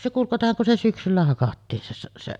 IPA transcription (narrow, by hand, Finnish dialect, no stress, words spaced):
se kuŋ kɑtohɑŋ kun se syksylːæ hɑkɑtːiːn se se se